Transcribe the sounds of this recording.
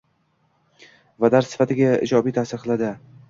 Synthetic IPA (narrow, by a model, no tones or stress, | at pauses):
vad̪aɾsɪ̥fat̪ɪɡʲaɪ̰d͡ʒɒbijt̪ʰasɪɾqʰɨlˠad̪ɪ